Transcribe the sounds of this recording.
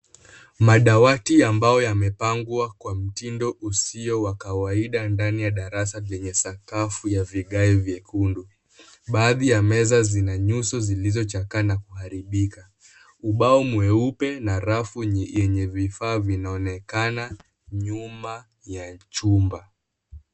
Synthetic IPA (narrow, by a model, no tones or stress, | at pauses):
maɗawatiambajɔjamɛpaŋɡuakwam̩tindɔʔusiɔwakawaiɗandanijaɗaɾasavɛɲɛsakafujaviɠaivjɛkundu | ɓaːðijamɛzazinaɲusɔzilizɔt͡ʃakanakuhaɾiɓika | uɓaɔmuɛupɛnaɾafuɲjɛɲɛvifaːvinaɔnɛkana | ɲuma | jat͡ʃumba